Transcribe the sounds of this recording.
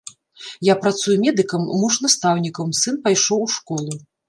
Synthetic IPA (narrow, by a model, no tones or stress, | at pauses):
japɾat̪sujumʲɛd̪ɨkɐmːuʂnast̪awnʲikɐwmsɨnpajʂɔwʂkɔlˠu